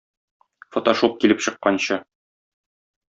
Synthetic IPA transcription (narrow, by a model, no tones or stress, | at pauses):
fot̪oʃop̚kilɘpɕɤ̆qːɑnɕɤ